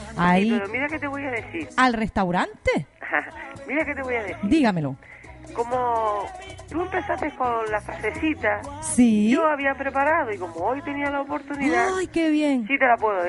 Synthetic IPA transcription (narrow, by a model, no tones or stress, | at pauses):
aieɾomiɾaket̪eβo̞jaðe̞siɾalrest̪awɾant̪ehamiɾaket̪eβojaðesd̪iɣamelo̞ | ko̞mo | t̪ue̞mpe̞sat̪ehko̞nlafɾase̞sit̪asiʝoaβiapɾepaɾaðoiko̞moojt̪e̞nialaopo̞ɾt̪uniðaajkeβjeŋsit̪elapweðo